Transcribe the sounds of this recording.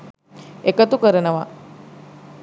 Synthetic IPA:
ekət̪ukəɾənəʋa

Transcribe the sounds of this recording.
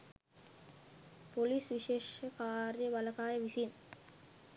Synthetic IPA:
polisʋiʃeːʂəkaːrjəʋɐlɐkaːjəʋisin

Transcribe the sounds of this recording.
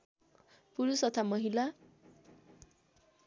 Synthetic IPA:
puɾusʌt̪ʰamʌɦila

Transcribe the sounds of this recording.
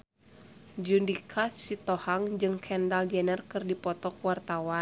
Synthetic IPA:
d͡ʒundikʰasːit̪ɔhaŋd͡ʒɨŋkʰɛndald͡ʒɛnərkɨrdipɔt̪ɔkuwart̪awan

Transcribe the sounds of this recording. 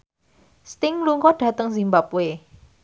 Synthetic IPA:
st̪ɪŋluŋkɔɖ̥a̤t̪əŋzimbapwe

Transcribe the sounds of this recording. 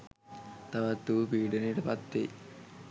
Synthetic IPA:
t̪aʋat̪ːuːpiːɖeniːʈəpat̪ːe

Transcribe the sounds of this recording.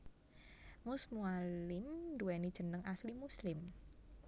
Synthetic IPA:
mʊsmualɪmduɛnid̥ʒ̥ə̤nəŋʔaslimuslɪm

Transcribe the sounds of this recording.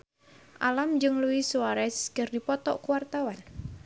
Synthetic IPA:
ʔa̰lamd͡ʒɨŋluwisuwaɾɛskərdipɔt̪ɔ̰ʔkuwart̪awan

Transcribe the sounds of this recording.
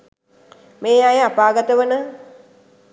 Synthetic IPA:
meːajəapaːɡət̪əʋənə

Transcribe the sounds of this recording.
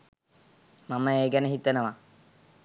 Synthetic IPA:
maməeːɡɛnəɦit̪ənəʋa

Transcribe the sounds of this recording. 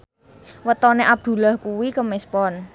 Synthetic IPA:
wət̪ɔneʔab̚d̪̥ṳlahkuwikəmɪspɔn

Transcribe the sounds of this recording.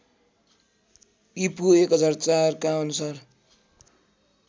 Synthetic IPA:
ipuekɦʌd͡zart͡sarkaʌnusar

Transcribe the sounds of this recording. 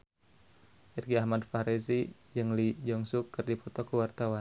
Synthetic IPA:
irɡiahmadfaɾesid͡ʒɨŋlid͡ʒɔŋsukːɨrdipɔt̪ɔkəwart̪awan

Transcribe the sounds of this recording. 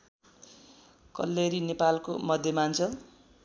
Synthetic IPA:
kʌ̰lːeɾinepalkomʌd̪ʱjʌmant͡sʰʌ

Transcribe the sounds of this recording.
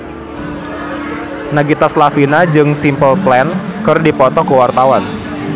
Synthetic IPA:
naɡit̪aslafinad͡ʒɨŋsimpəlplɛnkərdipɔt̪ɔkəwart̪awan

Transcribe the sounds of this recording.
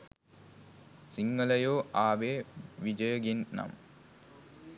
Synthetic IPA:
siŋːələjoːʔaːʋeːʋid͡ʒəjəɡinːa̰m

